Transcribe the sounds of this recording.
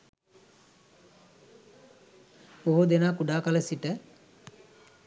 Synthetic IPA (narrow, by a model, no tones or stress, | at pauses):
oɦud̪enaːkuɖaːkaləsiʈə